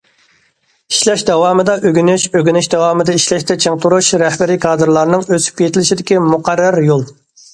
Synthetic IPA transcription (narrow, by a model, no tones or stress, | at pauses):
i̥ʃlɛʃd̪ɛwɑːmɨd̪ɑʔøɡʲynyʃøɡʲynɪʃd̪ɛwɑːmɨd̪ɨiʃlɛʃt̪ɛt͡ʃʰeŋt̪ʰuɾuʃɾɛhbɪɾikʰɑːd̪ɨɾlˠɑɾnɨŋøsy̥p̚kʲʰet̪ʰɪlɪʃid̪ɪkʲimuqæɾːæɾjolˠ